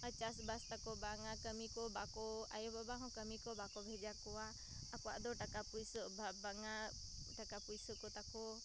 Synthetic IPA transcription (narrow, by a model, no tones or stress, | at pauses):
ət͡ʃasbast̪akɔbaŋakəmikɔbakɔa̰jɔbabaɦɔ̃kəmikɔbakɔbʱɛd͡ʒakɔa | akua̰ʔd̪ɔʈakapujsɔbabaŋa | ʈakapujsɔkɔt̪akɔ